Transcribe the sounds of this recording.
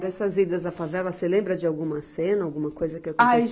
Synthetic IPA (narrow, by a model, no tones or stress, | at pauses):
d̪ɛsɐzid̪ɐzɐfavɛlɐselẽmbɾɐd͡ʒɪawɡũmɐsẽnɐawɡũmɐkojzɐkɪewka